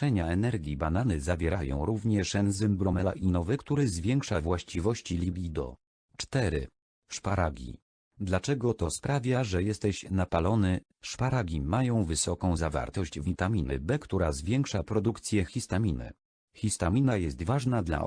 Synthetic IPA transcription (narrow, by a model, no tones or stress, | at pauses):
ɛɲaɛnɛɾɡʲibananɘzavʲjɛɾajɔ̰̃w̃ɾuvɲɛʂɛnzɨmbɾɔmɛlaʔinɔvɛkt̪uɾɘzvʲjɛŋkʂavwaɕt͡ɕivɔɕt͡ɕilʲibʲid̪ɔ̰ | t͡ʂt̪ɛɾɘ̰ | ʂpaɾaɡʲḭ | d̪lat͡ʂɛɡɔt̪ɔspɾavʲjaʐɛjɛst̪ɛɕnapalɔnɘ | ʂpaɾaɡʲimːajɔ̃w̃vɘsɔkɔ̃w̃zava̰ɾt̪ɔɕd͡ʑvʲit̪amʲinɘ̰bɛkt̪uɾazvʲjɛŋkʂapɾɔd̪ukt̪sʲjɛxʲist̪amʲinɘ̰ | xʲist̪amʲinajɛst̪vaʐnad̪la̰